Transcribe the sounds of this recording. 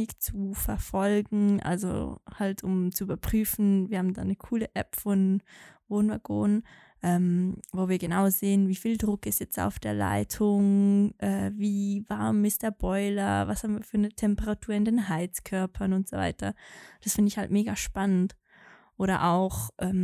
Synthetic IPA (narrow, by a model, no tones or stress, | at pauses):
ɪkt͡sufɛɐfɔlɡŋ̩ʔa̰lzo̰haltʰʊmt͡suʔybɐpʁ̥yːfn̩viɐhaːm̩da̰ːnəkʰuːləʔɛpfɔnvoːnva̰ɡoːnən | ʔɛːmvoːviːɐɡənaʊzeːənviːfiːldʁʊkɪstjɛt͡sta̰ʊfd̥eːɐla̰ɪtʰʊŋʔɛːviːvaɐmɪst̚d̥eːɐb̥ɔʏlɐvashabm̩viːɐfyːɐnətʰɛmpəʁatʰuːɐɪndeːnɦaɪt͡skʰœɐpʰɐnʊntz̥ova̰ɪtʰɐd̥asfɪndəɪçha̰ltmeːɡaʃpanənt | ʔoːɾɐ̰ʔaʊxʔɛːm